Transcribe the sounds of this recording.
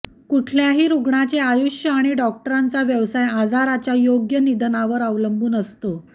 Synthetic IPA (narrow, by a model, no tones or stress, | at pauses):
kuʈʰljaɦiːɾuɡɳat͡seajuɕjəaɽ̃iɖɔk̚ʈəɾant͡saʋjəʋsajad͡zaɾat͡ɕjajoɡjənid̪ʱənaʋəɾəʋləmbuːnəst̪o